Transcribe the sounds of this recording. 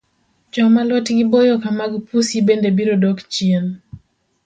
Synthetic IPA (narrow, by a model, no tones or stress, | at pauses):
d͡ʒɔmalɔtɡɪbojokamaɡpusibendebiɾodɔkt͡ʃien